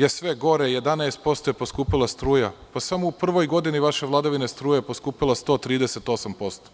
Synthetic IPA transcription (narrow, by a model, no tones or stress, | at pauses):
jesʋe̞ɡo̞ɾejed̪aneːst̪̚po̞st̪ojepo̞skuːpilˠast̪ɾuːjapasamoupr̩ʋo̞jɡo̞d̪iniʋaʃe̞ʋlˠad̪aʋine̞st̪ɾuːjeposkuːpilˠast̪o̞t̪ɾiːd̪ese̞t̪o̞sampo̞st̪o̥